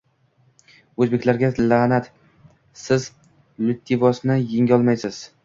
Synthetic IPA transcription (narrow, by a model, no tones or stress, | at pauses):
ɵzbe̞kʲlaɾɡʲalanat̪ | sɪz | lʊt̪ʰːivɒsnɪjɪŋʲɒlˠmajsɪz̥